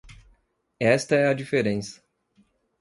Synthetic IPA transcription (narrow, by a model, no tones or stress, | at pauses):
ɛst̪ɐɛɐd͡ʒifeɾẽsɐ̥